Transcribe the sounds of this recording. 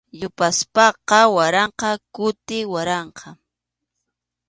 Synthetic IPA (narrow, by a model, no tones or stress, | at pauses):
ʎʊpaspɑqɑwaɾɑɴqɑkʊt̪ɪwaɾɑɴqʰɑ